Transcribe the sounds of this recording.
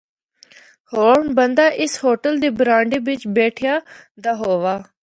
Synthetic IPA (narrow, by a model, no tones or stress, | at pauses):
hoːɳbənd̪aːʔɪshoːʈəld̪iːbɾaːɳɖiːbɪt͡ʃbɛːʈʰɪjaːd̪aːɦoːʋaː